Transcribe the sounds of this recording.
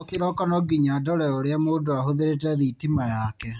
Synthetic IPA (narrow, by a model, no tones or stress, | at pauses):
keɾɔkɔnɔɡiɲadɔɾɛoɾeamoːdoahoðeɾet̬ɛðitimajakɛ